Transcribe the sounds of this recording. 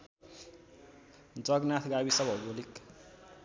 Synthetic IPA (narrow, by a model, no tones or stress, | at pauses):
d͡zʌɡnat̪ʰɡabisʌbʱʌbolik